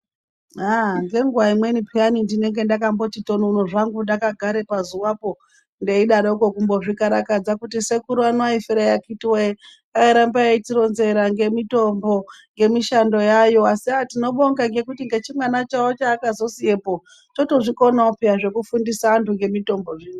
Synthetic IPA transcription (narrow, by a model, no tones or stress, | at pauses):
aŋɡe̞ŋɡuwaimwe̞nipʰianindine̞ŋɡe̞ndakambo̞t͡ʃito̞nunoʐaŋɡundakaɡʱaɾe̞pazuwapo̞ | ndeiɗaɾouko̞kumbo̞ʐikaɾakad͡zakutise̞kuɾuanoaifeɾajakitiwe | aiɾambaaitiɾo̞nze̞ɾaŋɡe̞mito̞mbo̞ | ŋɡe̞miʃando̞jajo̞asiatino̞ɓo̞ŋɡaŋɡe̞kutiŋɡe̞t͡ʃimwanat͡ʃaot͡ʃaːkazo̞sije̞po | to̞to̞ʐiko̞naupijaʐe̞kufundisaantuŋɡe̞mito̞mbo̞ʐiːno